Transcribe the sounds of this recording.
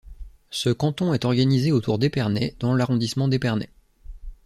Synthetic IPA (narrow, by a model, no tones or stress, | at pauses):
səkɑ̃t̪ɔ̃ɛt̪ɔʁɡanizeot̪ʰuʁd̪epɛʁnɛd̪ɑ̃laʁɔ̃d̪ismɑ̃d̪epɛʁnɛ̰